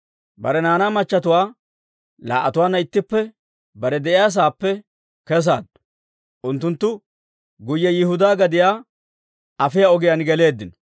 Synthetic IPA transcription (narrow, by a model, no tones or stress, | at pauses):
bɐ̰ɾɛnaːnaːmɐt͡ʃːɐt̪ʊwaː | la̰ːʔːɐt̪ʊwaːnːɐɪt̪ːɪpːɛ | bɐɾɛd̪ɛʔɪjaːs̬aːpːɛ | kɛs̬a̰ːd̪ | ʔʊnt̪ːʊnt̪ːʊ | ɡʊjːɛjɪhʊd̪aːɡɐd̪ɪjaː | ɐfɪjaɔɡɪjanɡɛle̞ːd̪ːɪnɔ̥